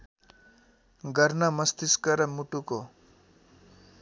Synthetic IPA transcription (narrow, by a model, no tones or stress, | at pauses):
ɡʌɾnamʌst̪iskʌɾʌmuʈuko